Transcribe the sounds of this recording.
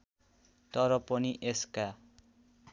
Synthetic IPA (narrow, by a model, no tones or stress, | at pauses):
t̪ʌɾʌpʌniʔeska